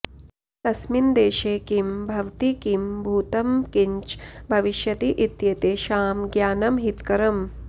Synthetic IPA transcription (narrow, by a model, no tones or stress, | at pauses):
t̪ɐsmind̪eːʃeːkimbʱɐʋt̪ikimbʱuːt̪ɐmkiɲt͡ʃbʱɐʋiʃjɐt̪iʔit̪jɐt̪eːʃaːmɡjaːnɐmɦit̪kɐɾɐm